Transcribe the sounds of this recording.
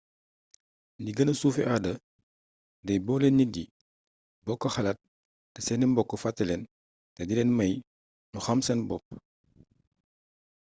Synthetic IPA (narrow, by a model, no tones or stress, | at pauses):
ndiɡɐnɐsuːfɛʔadɐ | dɐjbɔlɛnɲidi | bɔkːɔxɐlɐt̚ː | ɐsɛnimbɔkːɔfatːɐlɛn | tɐdilɛnmɐj | nuxɐmsɛnbɔp̚